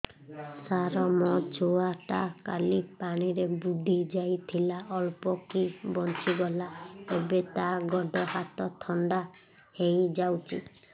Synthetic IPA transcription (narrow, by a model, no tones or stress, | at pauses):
saɾɔmɔt͡ʃʰoaʈaka̰lipaɽ̃iɾebud̪ʱid͡ʒajt̪ʰilaʔɔlpɔkibɔnt͡ʃiɡɔlaebet̪aɡɔɖɔhat̪ɔt̪ʰɔɳɖa | hejd͡ʒawt͡ʃʰḭ